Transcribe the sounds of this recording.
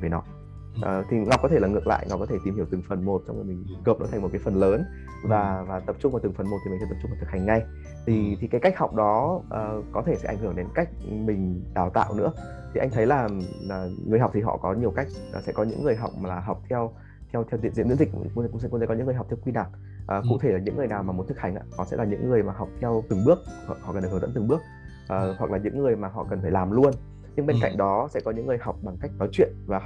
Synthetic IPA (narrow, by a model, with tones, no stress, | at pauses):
veː˨˦nɔ˨˦ | ʔəː˨˩t̪ʰi˨˩ŋɔ˨˩w̚kɔ˨˦t̪ʰe˧˩aː˨˩ŋɨ˨ək̚la̰ː˧˨jŋa˨˩k͡pkːɔ˨˦t̪ʰe˧˩t̪i˨˩mhi˧˩əwt̪ɨ˨˩ŋfə˨˩nmo˨˩t̚t͡ɕɔ˧wŋ͡mo˨˩jmï˨˩ŋ̟ɣəː˨˩p̚nɔ̰˨˦t̪ʰa˨˩ŋmo˨˩kaː˨˦jfə˨˩nləː˨˦n | vaː˨˩vaː˨˩t̪ə˨˩p̚t͡ɕʊ˧ŋ͡mvaː˨˩ɨ˨˩ŋfə˨˩nmo˨˩t̪̚ʰi˨˩˨t̪ʰt̪ə˩t͡ɕʊu˧ŋ͡mvt̪ʰɨ˨˩ha˨˩ŋ̟ŋa˧j | t̪ʰi˨˩t̪ʰi˨˩kaː˨˦jka˦˥k̟̚ha˨˩wk͡p̚ɗɔ˨˦ʔːkɔ˨˦t̪ʰe˧˩sɛ̰˧˥ʔa˧˩jŋhɨ˧˩əŋɗe˨˦nka˦˥jk̚mï˨˩ŋ̟ɗaː˨˩wt̪a̰ː˧˨wnɨ̰˧˥ə | t̪ʰi˨˩ʔa˧jŋ̟t̪ʰə˨˦jlaː˨˩laː˨˩ŋɨ˨əjɦa˨˩wk͡p̚t̪ʰi˨˩ɦɔ̰˧˨kɔ˨˦ɲi˨˩əwka˦˥jk̚ə˨˩sɛ̰˧˥kɔ˨˦ɲɨ̰˧˥ŋːɨ˨˩əjɦa˨˩wk͡p̚m˨˩laː˨˩ɦa˨˩wk͡p̚t̪ʰɛ˧w | t̪ʰɛ˧wt̪ʰɛ˧wt̪i˨zḭ˧˥˩mz̰zḭ̈˨˩˧ŋ͡msɛ̰˧˥˧e˧kɔ˨˦ɨ̰˧˥ŋːɨ˨˩ɦk͡p̚t̪ʰkwi˧naː˨˩t̚ | ʔəː˨˩kṵ˧˥t̪ʰe˧˩laː˨˩ɲɨ̰˧˥ŋːɨ˨˩əjnaː˨˩wmaː˨˩mo˨˦nt̪ʰɨ˨˩k̚ha˧˩jŋ̟ʔa̰ː˧nɔ˨˦sɛ̰˧˥laː˨˩ɲɨ̰˧˥ŋːɨ˨˩əjmaː˨˩ɦa˨˩wk͡p̚t̪ʰɛ˧wt̪ɨ˨˩ŋɓɨ˦˥ək̚ɔ̰˨ʔhɔ̰˧˨k̪̚ːzə̰˧˥nt̪ɨ˨˩ɓɨ˦˥ək̚ | ʔəː˨˩hwa˨˩k̚laː˨˩ɲɨ̰˧˥ŋːɨ˨˩əjmaː˨˩ɦɔ̰˧˨kə˨˩nfaː˧˩laː˨˩mlu˧ən | ɲɨ˧ŋɓe˧nka̰˧˨jŋ̟ɗɔ˨˦sɛ̰˧˥kɔ˨˦ɲɨ̰˧˥ŋːɨ˨˩əjɦa˨˩wk͡p̚ɓa˨˩ŋka˦˥jk̚nɔ˨˦jt͡ɕwḭ˧˨ənvaː˨˩